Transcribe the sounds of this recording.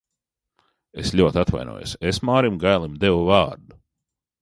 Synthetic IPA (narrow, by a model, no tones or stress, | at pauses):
eslʲuɔt̪ʲat̪va̰jnṵːjo̰sesmaːɾimɡajlˠimd̪ewuvaːɾd̪u